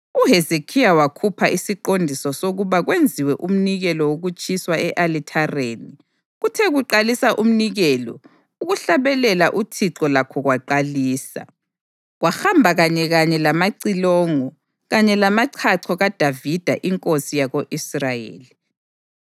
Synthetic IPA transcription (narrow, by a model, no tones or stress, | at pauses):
uɦezekʰijawakʰupʰaʔisiǃondʱisɔsoɣuβaɣwend͡zʱiwɛʔum̩niɣɛlɔwoɣut͡ʃʰʼiswaɛʔalitʰareni | ɣutʰɛɣuǃalisaʔum̩niɣɛlɔ̰ | uɣuɬaβɛlɛlaʔutʰiǁɔlakʰɔɣwaǃaliːsa̰ | ɣwaxambʱaɣaɲɛɣaɲɛlamaǀilɔːŋɔ | ɣaɲɛlamaǀʰaǀʰɔɣad̥ʱavid̥ʱa̰ʔiŋkʼosijaɣoʔisrajḛːli